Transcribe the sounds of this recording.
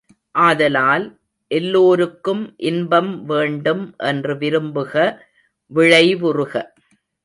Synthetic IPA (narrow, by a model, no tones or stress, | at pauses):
ʔaːðɐlaːl | ʔɛlːoːɾɯkːɯmʔɪnbɐmʋeːɳɖɯmʔɛndrɯʋɪɾɯmbɯɣɐ | ʋɪɻɐɪʋʊrɯɣɐ